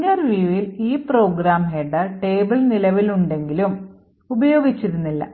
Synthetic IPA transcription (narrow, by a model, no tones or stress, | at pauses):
ɐrʋiːʋiliːpro̞ːɡɾaːmɦeɖɨʈe̞ːbɨɭnilɐʋiluɳɖe̞ŋɡilum | ubɐjo̞ːɡit͡ɕːiɾunːilːɐ̰